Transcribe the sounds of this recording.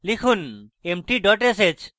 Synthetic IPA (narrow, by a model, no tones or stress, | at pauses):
likʰunemʈiɖɔʈeset͡ʃ